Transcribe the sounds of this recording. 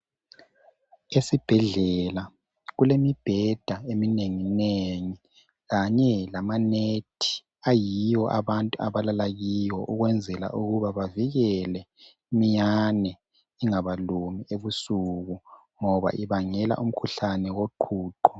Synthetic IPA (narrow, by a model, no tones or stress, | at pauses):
esib̥ʱɛɮɛla | ɣulemib̥ʱɛd̥ʱaemineŋineŋi | ɣaɲɛlamanetʰi̥ | ajijɔʔa̰βantʼua̰βalalaɣijwɔʔuɣwɛnd͡zʱɛla̰ʔuɣuβaβaviɣɛlɛ | imiɲanɛ | iŋaβalumiʔeβusuɣu | ŋɔβa̰ʔiβaŋɛla̰ʔum̩kʰuɬanɛwoǃʰuːǃɔ